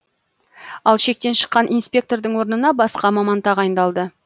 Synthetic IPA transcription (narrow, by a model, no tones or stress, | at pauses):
ɑlˠʃe̞k̚t̪e̞nʃə̥qːɑnʔijnspʲe̞k̚t̪o̞rd̪əɴwo̞ɾnənɑbɑsqɑmɑmɑnt̪ɑʁɑjənd̪ɑlˠd̪ə